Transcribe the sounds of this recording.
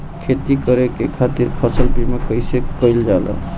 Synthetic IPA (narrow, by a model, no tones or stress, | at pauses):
kʰet̪ikʌɾekekʰat̪iɾkʰʌsəlbʱimakəisekəjld͡ʒalʌ̰